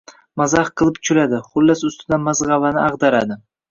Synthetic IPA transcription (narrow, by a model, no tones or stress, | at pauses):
mazɑχqʰɨlˠɪpt͡ʃʰʊlad̪ɪχʊlːasʊst̪ɪd̪anmazʁɑvanɪʔɑʁd̪aɾad̪ɪ